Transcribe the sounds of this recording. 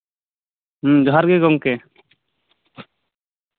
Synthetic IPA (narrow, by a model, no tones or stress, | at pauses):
md͡ʒɔɦaɾɡɛɡɔŋkɛ